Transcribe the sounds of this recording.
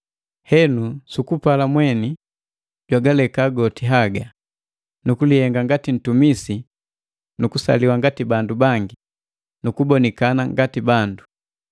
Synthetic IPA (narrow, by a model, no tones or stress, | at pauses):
hɛnusukupalamwɛni | ɟwaɡalɛkaɡɔtiɦaɡa | nukulihɛŋɡaŋɡatin̩tumisi | nukusa̰liwaŋɡatibandubaŋɡi | nukubɔnikanaŋɡatibandu